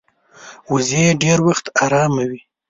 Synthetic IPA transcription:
wuzeeɖeɾwaxt̪aɾɑmawi

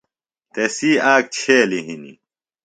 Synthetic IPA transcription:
t̪esiːaːk̚t͡ɕʰeːliɦinḭ

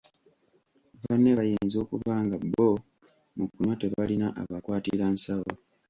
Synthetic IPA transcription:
βanːeβajeːnzo̞ːkuβaːŋɡabːo | mukːunwate̞βalinaʔaβakwaːtiɾansawo

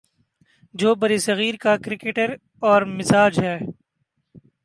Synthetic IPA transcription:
d͡ʒoːbɐɾisɐɣiːɾkakɾɪkeːʈəɾ | ɔːɾmɪsaːd͡ʒɦɛː

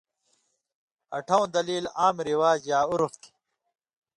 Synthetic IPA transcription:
ɐ̰ʈʰɐw̃d̪ɐliːlaːmɾiwaːd͡ʑjaːuɾuft̪ʰi̥

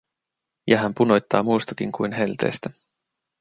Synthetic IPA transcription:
jʔɑɦæmpuno̞jt̪ːɑːmuːst̪ɑkiŋkujnɦe̞lt̪e̞̰ːst̪æ

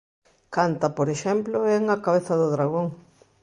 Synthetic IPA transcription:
kant̪ɐpoɾeʃɛmploɛŋakaβeθɐðʊðɾaɣoŋ

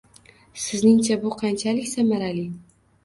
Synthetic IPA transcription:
sɪznɪŋt͡ʃʰabʊqʰɑnt͡ʃʰalɪkʲsamaɾalɪ

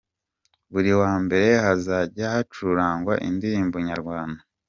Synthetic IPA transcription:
βuɾiwaːmbe̞ɾe̞hazaɟahat͡ʃuɾaːŋɡwaʔindiɾiːmboɲaɾɡwaːnda

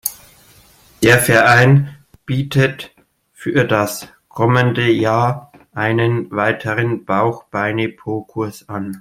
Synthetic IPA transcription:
d̥eːɐfɛɐʔaɪn | b̥iːtʰət | fyːɐdas | kʰɔməndəjaːɐ | ʔaɪnənvaɪtʰəʁənb̥aʊxb̥aɪnepʰoːkʰʊɐsʔan

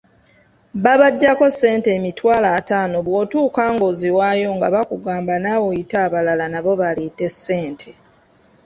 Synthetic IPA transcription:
βaβaɟːako̞sːe̞ːnte̞ːmitwaːlaːtaːno̞βwoːtuːkaːŋɡoziwaːjo̞ŋɡaβakuɡaːmbanaːwo̞itaːβalalanaβo̞βalite̞sːe̞ːntʰe

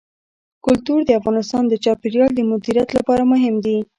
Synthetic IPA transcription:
kʊlt̪uɾd̪əafɣɑnɪst̪ɑnd̪ət͡ʃɑpeɾjɑld̪əmʊd̪iɾjat̪lapɑɾamʊɦɪmd̪i

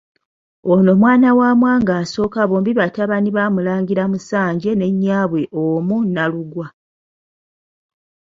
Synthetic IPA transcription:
ono̞mwaːnawaːmwaːŋɡaːso̞ːkaβo̞ːmbiβataβaniβaːmulaːŋɡiɾamusaːɲɟe̞ne̞ɲːaːβwe̞ʔomunaluɡwa

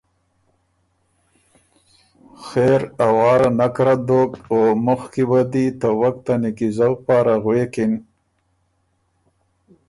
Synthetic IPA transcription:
xeɾawɑːɾanakɾad̪okomʊxkibad̪it̪əwakt̪anɪkizawpɑːɾaɣwekɪn

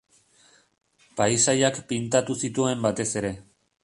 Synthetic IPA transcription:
pajsajakpint̪at̪usit̪ue̞mbat̪e̞se̞ɾe̞

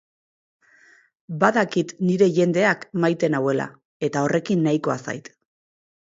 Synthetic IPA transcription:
baðakit̪niɾe̞ʝe̞nd̪e̞akmajt̪e̞nawe̞la̰ | e̞t̪ao̞rʔe̞kinːajko̞asa̰jt̪

